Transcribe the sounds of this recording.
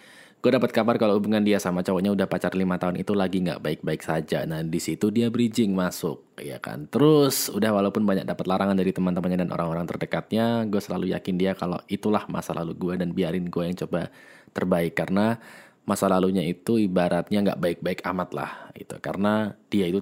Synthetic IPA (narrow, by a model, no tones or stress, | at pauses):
ɡ̥uadapat̪̚kabarkaloubuŋandiasamat͡ʃawaʔɲaudahpat͡ʃarlimat̪aʊnit̪ulaɡiŋɡa̰ʔbaɪk̚baɪksad͡ʒa̰nadisit̪udiabɾid͡ʒɪŋmasʊ̰k̚ja̰ka̰nt̪əɾʊsṵdahwalaupʊnbaɲa̰k̚dapat̪laɾaŋandaɾit̪əmant̪əmanɲadanʔo̰ɾaŋoɾaŋt̪ərdəkat̪̚ɲaɡuasəla̰luja̰kɪndiakalo̰it̪ulahma̰sala̰luɡuadanbiaɾɪnɡuajaŋt͡ʃoba | t̪ərbaɪkːaɾəna | masalaluɲait̪uibaɾat̪̚ɲaŋɡa̰ʔbaɪk̚baɪkamat̪la̰hɡḭt̪ṵka̰rənad̥iait̪u